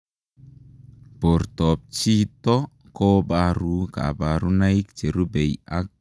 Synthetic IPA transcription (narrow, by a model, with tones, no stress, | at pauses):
po˨ɾtɔ˨p̚t͡ʃi˦tɔ˦ | kɔ˦ba˦ɾu˨˦ka̰˨ba˨ɾu˦na˦i˦k̚t͡ʃe˨ɾu˦bɛ˨ja˦k̚